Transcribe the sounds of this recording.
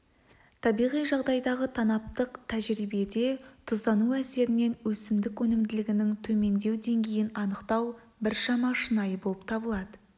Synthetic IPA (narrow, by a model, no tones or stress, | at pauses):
t̪ʰɑbijʁijʒɑʁd̪ɑjd̪ɑʁət̪ʰɑnɑp̚t̪əqt̪ʰæʒɾibe̞d̪e̞t̪ʰʊzd̪ɑnuæse̞ɾɪne̞nwɵsɪmd̪ɪkwɵnɪmd̪ɪlɪɡʲɪnɪŋt̪ʰɵme̞nd̪e̞wd̪e̞ŋɡʲe̞jɪnɑnəqt̪ɑw | bɪɾʃɑmɑʃənɑjəbo̞lˠəp̚t̪ʰɑbəlˠɑd̪ə